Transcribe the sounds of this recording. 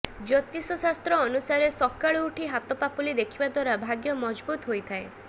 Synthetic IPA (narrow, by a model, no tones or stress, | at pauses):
d͡ʒɔt̪isɔsast̪ɾɔːnusaɾesɔkaɭuuʈʰiɦat̪ɔpapulid̪ekʰibad̪waɾabʱaɡjɔmɔd͡ʒbut̪ɦojt̪ʰae